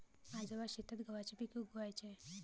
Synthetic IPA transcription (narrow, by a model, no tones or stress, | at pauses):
ad͡zəʋaɕet̪at̪ɡəʋat͡ɕipikiɡəʋajt͡ɕẽ